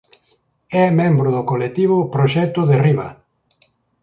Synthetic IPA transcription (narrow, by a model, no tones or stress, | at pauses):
ɛmẽmbɾʊðʊkolet̪iβʊpɾoʃɛt̪ʊðeriβa̰